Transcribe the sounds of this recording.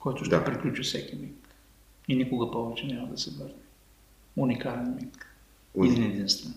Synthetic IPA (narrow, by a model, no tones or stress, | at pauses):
kɔjt̪ʊʃpɾiklʲut͡ʃifsɛkimik | inikoɡəpɔvɛt͡ʃɛnʲamɐd̪ɐsɛvəɾnɛ | unikalɛnmik | ɛd̪inɛd̪inst̪vɛn